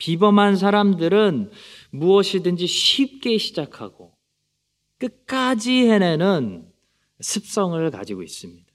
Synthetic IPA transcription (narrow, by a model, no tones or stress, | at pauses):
pibʌmɦans̬ʰaɾamdɯɾɯnmuʌɕʰidɯnd͡ʑiɕʰip̚k͈e̞ɕʰid͡ʑakʰa̰ɡo | k͈ɯk̚k͈ad͡ʑihe̞nenɯn | sʰɯp̚s͈ʌŋɯɭka̰d͡ʑiɡois͈ɯmɲid̥a